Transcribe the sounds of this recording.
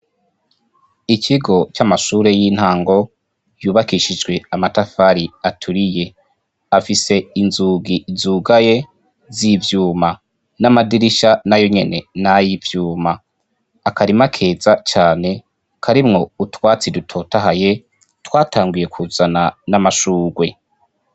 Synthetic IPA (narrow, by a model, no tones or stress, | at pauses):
iciɡo̞t͡ʃamaʃuːɾe̞jin̥haːŋɡo̞ | juːβakiʃid͡ʒɡwe̞amatafaɾiatʰuɾije̞ | afise̞inzuːɡizuːɡaje̞ | zivjuːma | namadiɾiʃanajo̞ɲe̞ne̞najivjuːmaː | kaɾimakʰe̞ːzat͡ʃaːne̞ | kʰaɾimŋo̞utwaːt͡sidutʰo̞taɦaje̞ | twaːtʰaːŋɡuje̞kʰuzananamaʃuːɡwe̞